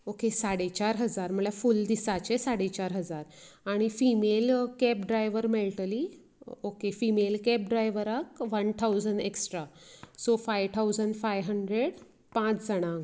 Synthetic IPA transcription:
okesaɽet͡ɕaɾɦəd͡zaɾm̤əɭjafuld̪isat͡ɕesaɽet͡ɕaɾɦəd͡zaɾaɽ̃ifimelkɛpɖɾajʋəɾmeɭʈəli | okefimelkɛp̚ɖɾajʋəɾakʋənt̪ʰawd͡zəɳɖeksʈɾasofajʋt̪ʰawd͡zəɳɖfajʋɦəɳɖɾeɽ | pãt͡sd͡zəɽ̃ãŋɡ

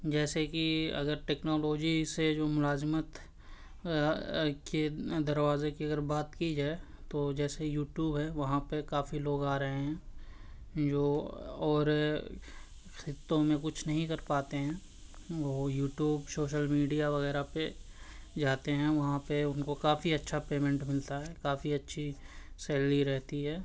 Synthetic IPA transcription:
d͡ʒɛːsekiɐ̰ɡəɾʈeːknɔːloːd͡ʒised͡ʒoːmʊlaːzmət̪ | ked̪ɐɾʋaːzekiɐɡəɾbaːt̪kid͡ʒaːet̪od͡ʒɛːsejuːʈjuːbɦɛʋɐɦãpekaːfiloːɡaːɾɐɦeɦɛ̃ː | d͡ʒoːɔːɾ | xɪt̪ːõmẽkʊt͡ʃʰnɐɦĩkɐɾpaːt̪eɦɛ̃ː | ʋoːjuːʈjuːbsoːʃəlmiːɖijaʋɐɣɛːɾape | d͡ʒaːt̪eɦɛ̃ʋɐɦãpeʊnkokaːfiɐtːʃʰapeːmɛ̃ɳʈmɪlt̪aɦɛːkaːfiɐtːʃʰisɛːliɾɛɦt̪iɦɛː

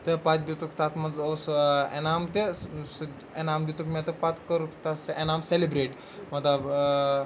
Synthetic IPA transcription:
t̪əpat͡sd̪it̪ukt̪at̪mɐd͡zosenamt̪es | enamd̪ut̪ukmɛt̪əpat̪kəɾukt̪asenamselibɾeʈ | mɐt̪a

